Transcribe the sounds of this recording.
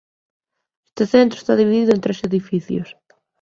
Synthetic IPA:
est̪eθent̪ɾʊe̥st̪aðiβiðiðʊẽnt̪ɾeseðifiθjʊ̰s

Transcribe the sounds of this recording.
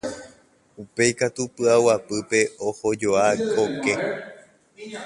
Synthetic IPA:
upe̞jkat̪upɨawapɨpe̞ʔoho̞d͡ʒoahoke̞

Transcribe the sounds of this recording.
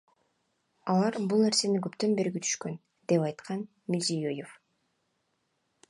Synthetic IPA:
ɑlˠɑɾbulˠne̞ɾse̞niɡɵpt̪ø̞nbe̞ɾɡʲit̪ʰy̥ʃkø̞n | d̪̥e̞pɑjt̪qɑn | milʲzijojef

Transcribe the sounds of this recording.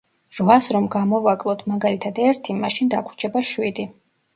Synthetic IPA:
ɾvasɾɔmɡamɔvakʼlˠɔt̪ʰmaɡalit̪ʰad̪ɛɾt̪ʰimaʃind̪akʰɾt͡ʃʰɛbaʃwid̪i

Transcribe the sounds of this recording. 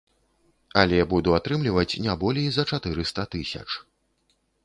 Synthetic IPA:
ɐlʲɛbud̪uat̪ɾɨmlʲivɐt͡sʲnʲabɔlʲejzɐt͡ʂat̪ɨɾɨst̪ɐt̪ɨsʲɐ̰t͡ʂ

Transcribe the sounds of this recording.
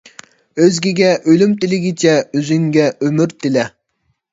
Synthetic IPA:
øzɡʲiɡʲɛʔølymt̪ɪlɪɡʲit͡ʃʰɛøzyŋɡʲɛømyɾt̪ʰɪlɛ

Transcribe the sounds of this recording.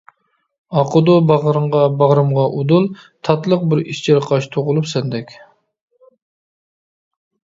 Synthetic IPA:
ɑqʰʊd̪ubɑʁɾɨmʁɑbɑʁɾɨmʁɑʔud̪ulˠt̪ʰɑt̪lˠəq̚bɪɾiʃt͡ʃʰeɾqʰɑʃt̪ʰoʁʊlˠupsɛnd̪ɛkʲ

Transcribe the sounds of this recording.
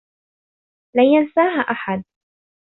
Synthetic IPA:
laːjansaːɦaʔaħad̪̚

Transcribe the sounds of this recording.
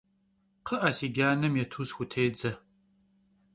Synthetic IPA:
qʰəʔɐsiːɡʲaːnɐmjɛtʰuːzxʷʊtʰeːd͡zɐ

